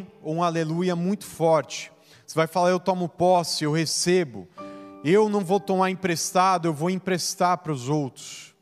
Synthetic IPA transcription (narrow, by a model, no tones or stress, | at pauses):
oũalelujɐmũj̃t̪ʊ̥fɔɾt͡ʃɪ̥ | sɪvajfalaɾewt̪ɔ̃mʊpɔsɪewhesebʊ̰ewnɐ̃w̃vowt̪õmaɾĩpɾest̪ad̪ʊewvowĩpɾest̪aɾpɾʊzowt̪ɾʊs